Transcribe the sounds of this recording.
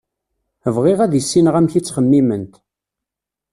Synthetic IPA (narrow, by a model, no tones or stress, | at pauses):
əvʁɪʁæðjəsːinəʁæmçit͡sːχəmːimənt̪